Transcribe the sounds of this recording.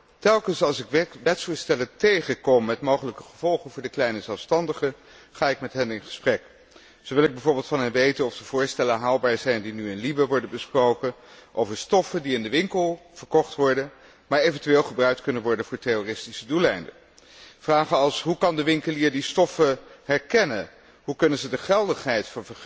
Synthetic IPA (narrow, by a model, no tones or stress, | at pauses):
tɛlˠkənsɑlˠsɪkʋɛtsoːɹstɛləntejχəkɔmːɛtmowχələkəχəv̥ɔlˠχənvʊːɹdəklɛjnəzɛlˠfstɑndəχə | χaːɪkmɛtɦɛnɪnχə̥sprɛk | z̥owʋɪlˠɪɡ̚bɛjvʊːɹbɪːlˠtfɑnɦɛnʋejtənɔfd̥əv̥ʊːɹstɛlənɦaːlˠbaːɹzɛjndinyɪnlibəʋɔɹdənbəsprowkənʔowvəɹstɔfəndiɪndəʋɪŋkəlˠv̥əɹkɔχtʋɔɹdə | maːɹejvəntyʋeːlˠχəbrœɥk̚tkɵnənʋɔɹdənvʊːɹtɛroːrɪstisədulɛjndə | fraːχəɑlˠsɦukɑndəʋɪŋkəliːɹdistɔfəɦɛɹkɛnən | ɦukɵnənzədəχɛlˠdəχɦɛjtfɑnvəɹ